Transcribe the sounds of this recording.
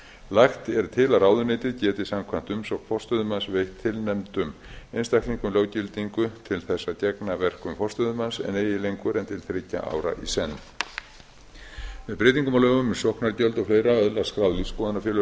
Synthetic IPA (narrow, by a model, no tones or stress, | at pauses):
laxt̪ɛɾt̪ʰɪlaɾawðʏneːjt̪ɪðcɛːt̪ɪsamkʰvan̥t̪ʏmsɔkfɔr̥st̪œðʏmansvejht̪ʰːɪlnɛmt̪ʏmejnst̪ajkliŋkʏmlowcɪlt̪iŋkʏt̪ʰɪlθɛsːacɛknavɛr̥kʏmfɔr̥st̪œðʏmansɛ̰neːjɪlejŋkʏɾɛnt̪ʰɪlθɾeca̰ʔa̰ːwɾa̰ʔisɛnː | mɛðpɾeːjt̪iŋkʏmalœːɣʏmːɛ̥sɔhknaɾcœlt̪ɔfleːjɾaœðlaskɾaðliðskɔːðanafjɛːlʏ